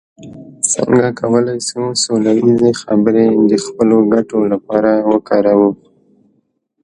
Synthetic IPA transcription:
sə̰ŋɡakʰawəlajsusolawizexabɪɾed̪əxpəloɡaʈolapɑɾawəkɑɾawə

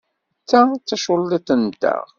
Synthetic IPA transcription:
t͡sːat͡sːæʃolːit̪ənd̪æ̰ʁ

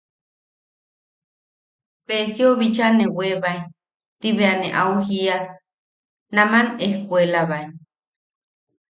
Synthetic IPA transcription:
pesioβit͡ʃanẽweβai | t̪iβeaneʔauhia | namanehkuelaβai

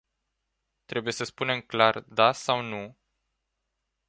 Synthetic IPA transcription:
t̪ɾe̞buje̞səspune̞mklard̪asawnu

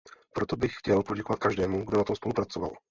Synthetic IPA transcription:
pɾot̪obɪxxcɛlpo̞ɟɛko̞vat̪̚kaʒdɛːmuɡdo̞nat̪omspo̞lupɾat͡sova̰l

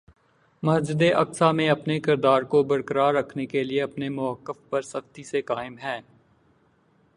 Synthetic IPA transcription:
mɐɦd͡ʒɪd̪eʔɐksamẽɐpnekɪɾd̪aːɾkobɐɾkəɾaːɾːɐkʰnekelieɐpnemʊəkːəfpɐɾsɐxt̪isekaːɪmɦɛː

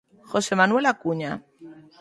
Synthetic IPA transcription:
xo̞se̞manwe̞lakuɲa

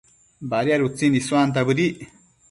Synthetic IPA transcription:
baɾijaɾut͡sinisuant̪̬abɨɾiʔ

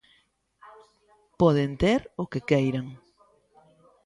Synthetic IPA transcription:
pɔðent̪eɾʊkekejɾaŋ

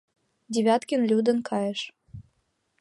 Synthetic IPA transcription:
d̪ʲiβʲɑt̪kʲə̆nlʲud̪ə̆nkʰɑjəʃ

